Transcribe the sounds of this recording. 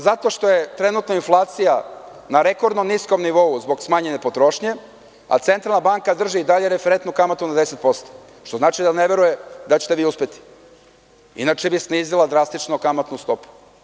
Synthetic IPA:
zat̪o̞ʃt̪o̞jet̪ɾe̞nut̪noinflˠaːt̪sija | naɾe̞koɾd̪nomnisko̞mniʋo̞uzbo̞ɡsmaːɲenepo̞t̪ɾo̞ʃɲe̞ | a̰t̪se̞nt̪ɾalnabaŋkad̪r̩ʒiːd̪aʎe̞ɾefeɾent̪nukamat̪unad̪eset̪̚po̞st̪o̥ | ʃt̪ozaːt͡ʃid̪aneʋe̞ɾujed̪at͡ɕet̪eʋiːuspe̞t̪i̥ | ḭnat͡ʃebisniːzilˠad̪ɾast̪it͡ʃnokamat̪nust̪o̞pu̥

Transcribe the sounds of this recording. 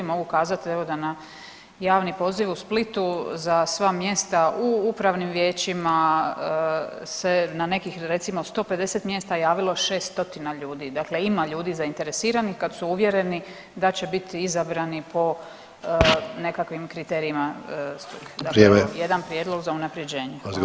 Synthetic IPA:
imo̞ɡukaːzat̪ie̞ʋo̞d̪ana | jaːʋnipo̞ziʋusplit̪uzasʋamje̞st̪auupɾaʋnimʋje̞ːt͡ɕima | se̞nane̞kixɾe̞t̪simost̪o̞ːpe̞d̪e̞set̪mje̞st̪ajaːʋilˠo̞ʃe̞ːst̪t̪o̞t̪inaʎuːd̪iːd̪akle̞imaʎuːd̪iːzaint̪e̞ɾe̞siːɾanixkad̪suuʋje̞ɾe̞ni | d̪at͡ɕe̞bit̪izabɾanipo̞ | ne̞kakʋimkɾit̪e̞ːɾiimast̪ud̪aɾjed̪anpɾjeːd̪lo̞ɡzaunapɾje̞d͡ʑe̞ːɲe

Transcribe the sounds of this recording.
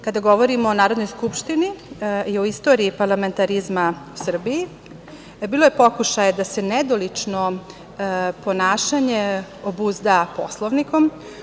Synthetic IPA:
kad̪aɡo̞ʋo̞ɾimoːnaːɾo̞d̪nojskupʃt̪iniioist̪o̞ːɾiːpaɾlˠame̞nt̪aɾizmausr̩biji | biːlˠo̞jepo̞kuʃajed̪ase̞ned̪olit͡ʂno | po̞naːʃaɲeobuzd̪apo̞slˠoʋnikom

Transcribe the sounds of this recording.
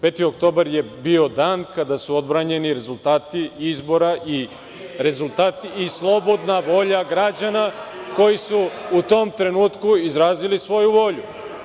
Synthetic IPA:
pe̞t̪io̞kt̪o̞ːbaɾje̞bio̞d̪aːnkad̪asuo̞d̪bɾaːɲe̞niɾe̞zulˠt̪aːt̪iizbo̞ɾai | ɾe̞zulˠt̪aːt̪iːslˠo̞bo̞d̪naʋo̞ʎaɡɾad͡ʑanako̞jisuːt̪o̞mt̪ɾe̞nuːt̪kuizɾaːzilisʋo̞juʋo̞ʎu

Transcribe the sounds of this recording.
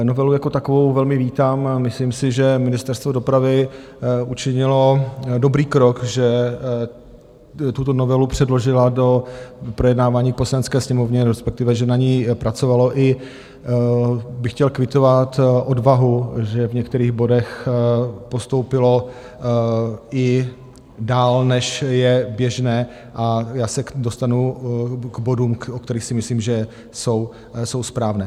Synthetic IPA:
novɛlujako̞t̪akovo̞wvɛlmɪviːt̪amːɪsliːmsɪʒɛmɪnɪst̪ɛɾst̪vo̞do̞pɾavɪ | ut͡ʃɪɲɪlo̞do̞bɾiːkɾokʒɛ | t̪ut̪o̞novɛlupr̝̥ɛdlo̞ʒɪlado̞pɾojɛdnaːvaːɲiːk̚po̞slanɛt͡skɛːsɲɛmovɲɛɾɛspɛk̚t̪ɪvɛʒɛnaɲiːpɾat͡so̞valo̞ʔɪ | bɪxcɛlkvɪt̪o̞vat̪ʔo̞dvaɦuʒɛvɲɛkt̪ɛɾiːɣbo̞dɛx | po̞st̪o̞wpɪlo̞ | ʔɪ | daːlnɛʃjɛbjɛʒnɛː | ʔajaːsɛdost̪anukbo̞duːmok̚t̪ɛɾiːxsɪmɪsliːmʒɛ | so̞w | so̞wspɾaːvnɛː

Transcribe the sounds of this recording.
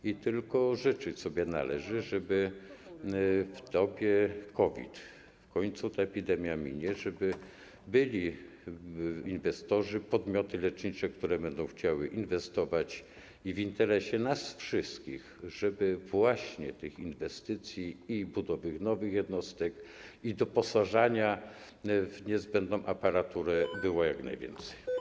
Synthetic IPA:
it̪ɘlkɔʐɘt͡ʂɘt͡ɕsɔbʲjɛna̰lɛʐɘʐɛbɘ | ft̪ɔpʲjɛkɔvʲḭt̪ | fkɔɲt̪sut̪aɛpʲid̪ɛmʲjamʲḭɲɛʐɛbɘ | bɘlʲi | invɛst̪ɔʐɘpɔd̪mʲjɔt̪ɘlɛt͡ʂɲit͡ʂɛkt̪uɾɛbɛnd̪ɔ̃w̃xt͡ɕawɘʔinvɛst̪ɔvat͡ɕ | ivint̪ɛɾɛɕɛnasfʂɘst̪kʲixʐɛbɘvwaɕɲɛt̪ɘxinvɛst̪ɘt̪sʲjiibud̪ɔvɘxnɔvɘxjɛd̪nɔst̪ɛkid̪ɔpɔsaʐaɲa | vɲɛzbɛnd̪nɔ̃w̃ʔapaɾat̪uɾɛbɘwɔjakna̰jvʲjɛ̰nt̪sɛ̥j

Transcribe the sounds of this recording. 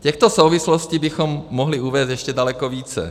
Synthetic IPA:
cɛxt̪osowvɪsloscibɪxomːoɦlɪuvɛːst̪jɛʃcɛdalɛkoviːt͡sɛ̰

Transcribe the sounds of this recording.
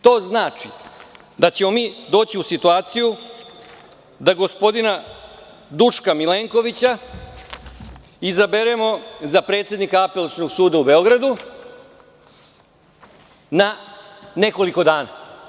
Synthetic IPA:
t̪o̞ːznaːt͡ʂi | d̪at͡ɕe̞mo̞miːd̪o̞ːt͡ɕiusit̪uaːt̪siju | d̪aɡo̞spo̞d̪ina | d̪uʂkamileːŋko̞ʋit͡ɕa | izabeɾe̞mo̞zapɾet̪sje̞d̪nikaape̞losno̞ɡsuːd̪aube̞o̞ɡɾad̪u | na | ne̞ko̞liko̞d̪aːna

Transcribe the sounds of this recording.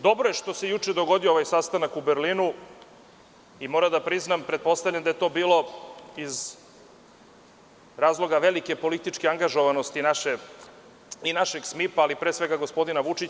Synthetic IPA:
d̪o̞bɾoje̞ʃt̪o̞sejut͡ʃed̪o̞ɡo̞d̪iooʋajsast̪anakubeɾlinu | imo̞ɾad̪apɾiznampɾepo̞st̪avlʎand̪ajet̪o̞ːbiːlo̞iz | ɾaːzlˠo̞ɡaʋe̞like̞po̞lit̪it͡ʃkeaŋɡaʒo̞ʋanost̪inaʃe | inaʃeɡsmipaːlipɾeːsʋe̞ɡaɡo̞spo̞d̪inaʋut͡ʃi

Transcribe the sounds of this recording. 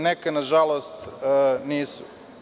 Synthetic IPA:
nekenaʒalˠost̪niːsu

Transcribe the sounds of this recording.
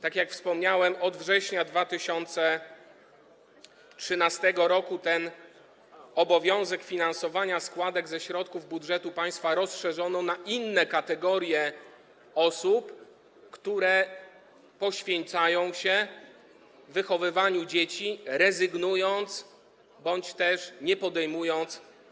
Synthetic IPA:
t̪akʲjakfspɔmɲawɛmɔd̪vʐɛɕɲad̪vat̪ɘɕɔnt̪sɛ | tʂɘnast̪ɛɡɔɾɔkut̪ɛn | ɔbɔvʲjɔ̃w̃zɛkfʲinansɔvaɲaskwad̪ɛɡzɛɕɾɔt̪̚kuvbudʐɛt̪upaj̃st̪faɾɔsʂɛʐɔnɔ̃naʔinːɛkat̪ɛɡɔɾʲjɛ | ɔsup | kt̪uɾɛ | pɔɕfʲjɛnt̪sajɔ̃w̃ɕɛ | vːɘxɔvɘvaɲud͡ʑet͡ɕiɾɛzɘɡnujɔnt̪s | bɔɲt͡ɕt̪ɛʂɲɛpɔd̪ɛjmujɔnt̪s

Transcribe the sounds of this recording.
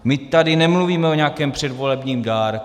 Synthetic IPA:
mɪt̪adɪnɛmluviːmɛoɲakɛːmpr̝̥ɛdvo̞lɛbɲiːmdaːɾ

